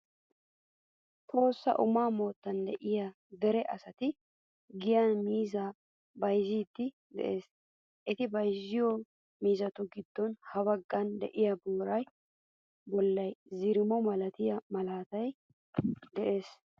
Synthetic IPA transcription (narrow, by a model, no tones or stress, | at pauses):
t̪ʰo̞ːsːɐ̰ʔʊmaːmo̞ːt̪ːɐnd̪ɛʔɪjɐ | d̪ɛɾɛʔɐsɐt̪ɪ | ɡɪjanmiːza | bɐjziːd̪ːɪ | d̪ɛ̰ʔeːs | ʔɪt̪ɪbɐjzɪjɔ | miːzɐt̪ʊɡɪd̪ːɔnhɐbɐɡːɐnd̪ɛ̰ʔɪjɐbuːɾɐj | bɔlːɐjzɪɾɪmɔmɐlɐt̪ɪjɐmɐlaːt̪ɐj | d̪ɛʔe̞ːs